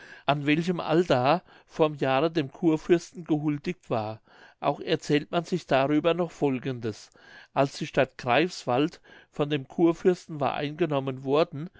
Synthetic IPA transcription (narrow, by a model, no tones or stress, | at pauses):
ʔanvɛlç̬əmʔa̰ldaɐ | foːɔɐmjaːʁədeːmkʰuːɐfʏɐstn̩ɡəɦʊldɪk̚tv̥aːɐ | ʔa̰ʊxɛɐt͡sɛːltmanzɪçd̥aʁyːbɐnɔχfɔlɡəndəs | ʔalsd̥iːʃtatɡ̥ʁaɪfsv̥altfɔndeːmkʰuːɐfʏɐstn̩va̰ɐʔa̰ɪnɡənɔmənvɔɐdn̩